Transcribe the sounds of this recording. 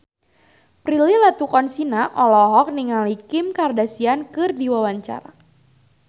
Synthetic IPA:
pɾililat̪ukɔnsinaʔɔlɔɦɔk̚niŋalikɪmkardasiankɨrdiwawaɲt͡ʃa̰ɾa

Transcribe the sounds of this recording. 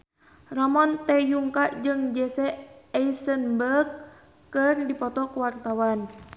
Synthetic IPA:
ramɔnt̪ɛjuŋkaʔd͡ʒɨŋd͡ʒɛsɛɛisənbərɡ̚ | kːɨrdipɔt̪ɔkəwart̪awan

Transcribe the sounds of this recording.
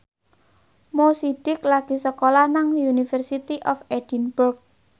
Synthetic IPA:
mosid̥ɪklaɡ̥i̤səkolahnaŋjunifərsit̪iʔɔfed̥inbʊrk̚

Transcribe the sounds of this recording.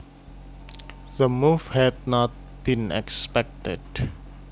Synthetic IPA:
ðəmuvhɛd̚nɔt̚ | b̥ĩnɛ̰kspɛk̚tə̰d̥

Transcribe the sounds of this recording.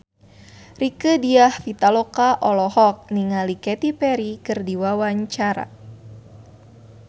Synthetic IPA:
rikədiahfit̪alokaʔɔlɔhɔk̚niŋalikɛt̪ipɛɾikɨrdiwawaɲt͡ʃaɾa̰

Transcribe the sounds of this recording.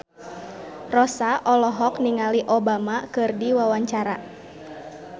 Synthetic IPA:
rɔsaʔɔlɔɦɔkniŋaliʔɔbamakɨrdiwawaɲt͡ʃaɾa

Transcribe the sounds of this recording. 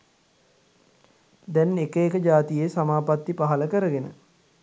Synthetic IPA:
d̪ɛnekəekəd͡ʒaːt̪ijeːsamaːpat̪ːipaɦələkəɾəɡenə̰

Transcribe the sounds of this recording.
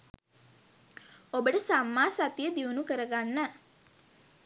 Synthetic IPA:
obəʈəsamːaːsat̪ijəd̪iunukəɾəɡanːə

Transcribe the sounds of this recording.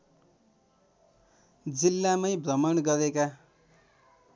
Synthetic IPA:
d͡zilːamajbrʌmʌnɡʌɾeka

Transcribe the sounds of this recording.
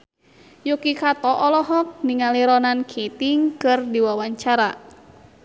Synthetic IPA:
jukikat̪ɔʔɔlɔɦɔk̚niŋaliɾɔnankʰet̪iŋkɨrdiwawaɲt͡ʃaɾa

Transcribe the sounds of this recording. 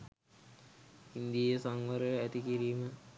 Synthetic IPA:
ind̪ijejsaŋʋɐɾəæt̪ikiɾiːmə

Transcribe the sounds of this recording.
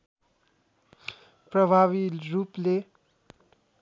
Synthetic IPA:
prʌbʱaβiruple

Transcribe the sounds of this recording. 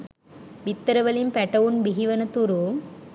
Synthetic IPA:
ʋɪt̪ːɐɾɐʋɐlimpɛʈːɐʋɯnbiɦiʋɐnɐt̪ːuɾu

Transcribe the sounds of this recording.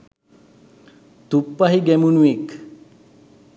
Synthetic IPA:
t̪upːaɦiɡɛmunuek

